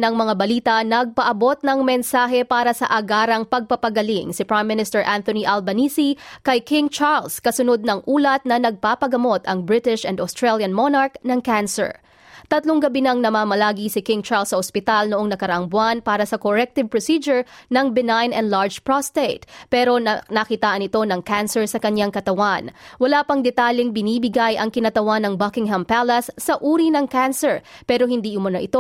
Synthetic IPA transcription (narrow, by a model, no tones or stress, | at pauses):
nɐŋmɐŋabɐliːt̪ɐnɐɡ̚pɐʔɐbo̞t̪̚nɐŋmɛnsaːɦɛpaːɾɐsɐʔɐɡaːɾɐŋpɐɡ̚pɐpɐɡɐliŋsɪpɹajmːɪnɪst̪ɛɹʔant̪oniʔalbɐniːsikɐjkɪ̃ŋt͡ʃaɹlskɐsʊnod̪̚nɐŋʔuːlɐt̪̚nɐnɐɡ̚papɐɡɐmo̞t̪ɐŋbɹɪt̪ɪʃʔɛnd̪ost̪ɹɛljɐnmonaɹknɐŋkansɛ̰ɹ | t̪ɐt̪loŋɡɐbinɐŋnɐmaːmɐlaːɡisɪkɪŋt͡ʃaɹlsɐʔospɪt̪alnoʊʔo̞ŋnɐkɐɾɐʔɐŋbʊanpaːɾɐsɐkoɹɛk̚t̪ɪv̚pɹosid͡ʒʊɹnɐŋbɪnajnɛ̰nd̪laɹd͡ʒpɹost̪et̪̚pɛɾo̞nɐkit̪aːʔɐnɪt̪o̞nɐŋkansɛɹsɐkɐɲaŋkɐt̪ɐwanwɐlaːpɐŋd̪ɛt̪aljɪŋbɪniːbɪɡajʔɐŋkɪnɐt̪ɐwanːɐŋbɐkɪŋɦɐmpalɐsːɐʔuːɾinɐŋkansɛɹpɛːɾo̞hɪnd̪iʔʊmɐnɐʔɪt̪o